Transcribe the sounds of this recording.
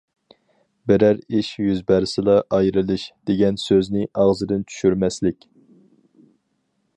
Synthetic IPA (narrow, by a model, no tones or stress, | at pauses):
bɪɾæɾiʃjyzbæɾsɨlˠɑʔɑjɾɨlˠɨʃd̪̥eɡʲɛnsøznɪʔɑʁzɨd̪ɨnt͡ʃʰy̥ʃyɾmɛslɪkʲ